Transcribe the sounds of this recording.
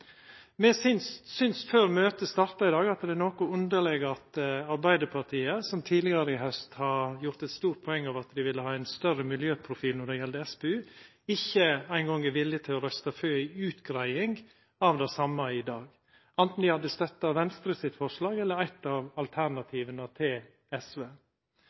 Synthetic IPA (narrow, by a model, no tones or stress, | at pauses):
mɛsɪnssʏnsføːɾmøːt̪əst̪ɑɾt̪ɑɪd̪ɑːɡɑt̪d̪ɛnoːkʊʉnd̪əɭɛɡəɾɑt̪ɑɾbæɪd̪əɾpʰɑɾt̪ʰiːəsɔmt̪ʰiːd̪lɪɡɑɾəɪɦœst̪hɑɾjʊɾt̪ɛt̪st̪uːɾt̪̚pʰɔɛŋːɑʋɑt̪d̪ɪʋɪlːəhɑːæɪnst̪œrəmɪljøːpʰɾʊfiːlnɔɖ̪ɛjɛld̪əɛspeʉː | ɪçːəæɪnɡɔŋɛɾʋɪlːjət̪ʰɪlɔɾœst̪ɑføːɪʉːt̪ɡɾæɪɪŋ | ɑʋd̪æsɑmːɑɪd̪ɑːɡ | ʔɛnt̪n̩d̪ɪhɑd̪ːəst̪œt̪ːɑʋɛnst̪ɾəsɪt̪fɔʂlɑːɡɛlːəɾæɪt̪ɑʋɑlt̪ʰæɾnɑt̪ʰiːʋənət̪ʰɪl | ɛsʋeː